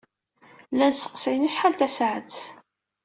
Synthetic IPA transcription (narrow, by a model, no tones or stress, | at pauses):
lːænsə̥qsiniʃħalt̪æsʕə